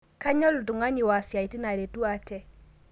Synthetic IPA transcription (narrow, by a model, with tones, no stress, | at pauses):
ka˦ɲɔ˦lʊ˨du˨ŋa˦ɲɪ˨wa˨sa˨i˨ti˦na˨ɾe˨tu˦a˨tɛ˦